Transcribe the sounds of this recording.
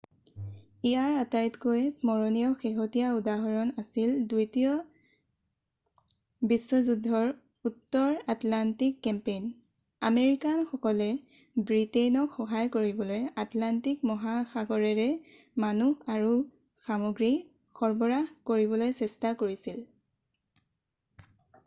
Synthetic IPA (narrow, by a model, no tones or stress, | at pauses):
iaɹatajtkojsmɔɹɔnijɔxexɔtijaudaɦɔɹɔnasildujtiɔ | biswɔzudʱːɔɹ | utːɔɹatlantikːɛmpejn | ameɹikanxɔkɔlɛ | bɹitejnɔkxɔɦajkoɹibɔlojatlantikmɔɦaxaɡɔɹɛɹɛ | manuaɹu | samoɡɹi | xɔɹbɔɹakoɹiβɔlojsɛstakoɹisil